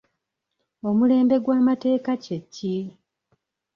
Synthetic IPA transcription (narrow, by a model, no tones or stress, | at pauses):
o̞mule̞ːmbe̞ɡwaːmate̞ːkacecːi